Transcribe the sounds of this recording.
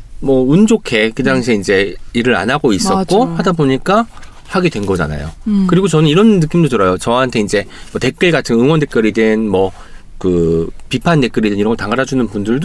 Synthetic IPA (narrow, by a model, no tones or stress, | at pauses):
mʌund͡ʑokʰe̞kɯdaŋɕʰiːnd͡ʑe̞iɾɯɾa̰naɡois͈ʌk͈ohadaboɲik͈a | haɡedwe̞nɡʌd͡ʑa̰na̰jo̰kɯɾiɡot͡ɕʌnɯniɾʌnːɯk͈imdotɯɾʌjot͡ɕʌɦantʰe̞ind͡ʑe̞mʌte̞k͈ɯɭɡatʰɯŋɯŋwʌnde̞k͈jʌɾidwenmwʌ | kɯpipʰante̞k͈ɯɾidɯniɾŋɡʌtaŋɡaɾad͡ʑunɯnpundɯɭdo